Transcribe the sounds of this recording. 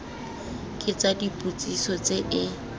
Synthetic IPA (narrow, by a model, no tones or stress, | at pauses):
kʼɪt͡sadipʼut͡sʼisɔt͡seʔɪ